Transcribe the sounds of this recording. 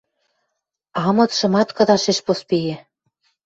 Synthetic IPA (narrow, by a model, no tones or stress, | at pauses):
ɑmɤ̆t̪ʃɤ̆mɑt̪kɤ̆d̪ɑʃeʃpospejĕ